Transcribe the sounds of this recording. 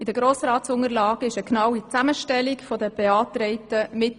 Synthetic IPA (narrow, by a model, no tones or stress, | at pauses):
ɪd̪əɡ̥ɾoːsɾɑːtsʊŋəɾlɑːɡ̥ɪʃəknɑwit͡sæməʃtɛlikfɔdəb̥eɑːtɾɛɪtəmɪt